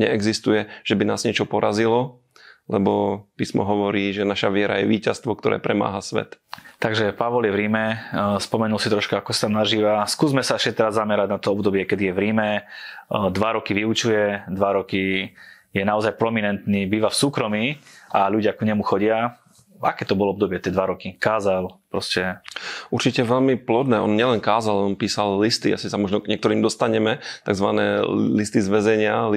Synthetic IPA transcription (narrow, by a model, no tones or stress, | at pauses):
ɲɛɛɡzist̪ujɛʒ̥ɛbinaːzɲɪɛt͡ʃɔpɔɾazilɔ | lɛbɔpiːsmɔ̰ɦɔʋɔɾiːʒɛnaʃaʋɪɛɾa̰jɛʋiːcast̪ʋɔkt̪ɔɾɛ̰ːpɾɛma̰ːɦasʋɛ̰t̪ | t̪aɡʒɛpaʋɔljɛʋɾiːmɛspɔmɛnulsit̪ɾɔʃkaakɔsat̪amnaʒiːʋaskuːzmɛsaɛʃt͡ʃɛt̪ɛɾazːamɛɾaɟnat̪ɔɔbd̪ɔbɪɛkɛd̪ijɛʋɾiːmɛ | d̪ʋaɾɔkiʋiut͡ʃujɛd̪ʋaɾɔki | jɛnaɔzajpɾɔminɛnt̪niːbiːʋafsuːkɾɔmiːʔaʎuɟɪakɲɛmuxɔɟɪa | a̰kɛːt̪ɔbɔlɔɔb̚d̪ɔbɪɛt̪ɛd̪ʋaɾɔkikaːzalpɾɔscɛuɾt͡ʃicɛʋɛʎmiplɔd̪nɛːɔnɲɪɛlɛnkaːzalɛɔnpiːsallist̪ia̰sisamɔʒnɔɡɲɪɛkt̪ɔɾiːmd̪ɔst̪aɲɛmɛt̪aɡzʋanɛːlist̪izʋɛzɛɲɪa